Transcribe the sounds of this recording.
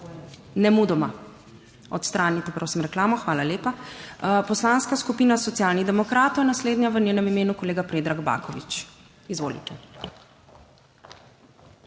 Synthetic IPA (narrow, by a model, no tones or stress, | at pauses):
nɛmud̪ɔma | ɔt̪st̪ɾaːnit̪ɛpɾowsimɾɛklaːmɔxʋaːlaleːpapɔslaːnskaskupiːnasɔt̪sijaːlniɣd̪ɛmɔkɾaːt̪ɔwjnasleːd̪njaʋənʲeːnɛmimeːnukɔleːɡapɾeːd̪ɾaɡba̰kɔʋit͡ʃ | izʋoːlḭt̪ɛ